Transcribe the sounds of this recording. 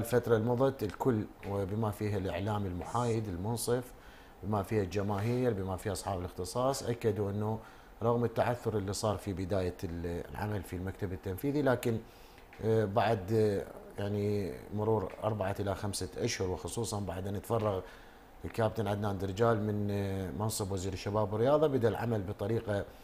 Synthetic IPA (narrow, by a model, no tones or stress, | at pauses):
lfat̪ɾˤɑlmʊðˤɑt̪ɪlkʊlːwɪbɪmafiːɦalʔɪʕlaːmɪlmʊħaːjɪd̪ɪlmʊnsˤɨf | bɪmafiːhald͡ʒamaːɦiːɾbɪmafiːhʔɑsˤħɑːbɪlɪxt̪ɨsˤɑːsˤʔakːad̪uʔɪnːu | ɾˤɑɣmət̪ːaʕaθːʊɾˤʔɪlːisˤɑːɾˤfibɪd̪aːjalʕa̰malfilmakt̪abɪt̪ːamfiːðilaːkɪn | baʕd̪jaʕnimʊɾuːɾʔɑ̰ɾˤbaʕaʔɪlaxamsaʔaʃhʊɾwxʊsˤuːsˤɑnbaʕd̪eːnːət̪fɑrˤːɑɣ | lkaːb̚t̪anʕad̪naːnd̪ɪɾd͡ʒaːlmɪnmɑnsˤɨbwaziːɾɪʃːabaːbɪrːɪjɑːðˤɑbɪd̪alʕa̰malbɨt̪ˤɑɾiːqa